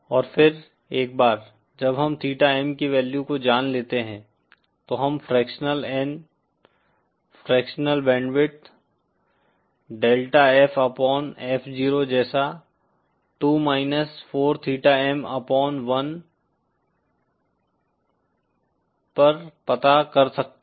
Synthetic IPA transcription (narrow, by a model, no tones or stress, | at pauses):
ɔːɾfʰɪɾ | eːk̚baːɾ | d͡ʒɐbɦɐmt̪ʰiːʈaɛmkiʋɛːljukod͡ʒaːnleːt̪eɦɛ̃ː | t̪oɦɐmfɾɛːkʃnəlɛn | fɾɛːkʃnəlbɛ̃ːɳɖʋɪʈ̚ | ɖeːlʈaɛːfɐpɔːnɛːfʰd͡ʒiːɾod͡ʒɛːsa | ʈuːmaːɪnəsfʰoːɾt̪ʰiːʈaɛmɐpɔːnʋɐn | pɐɾpɐt̪akɐɾsɐk̚t̪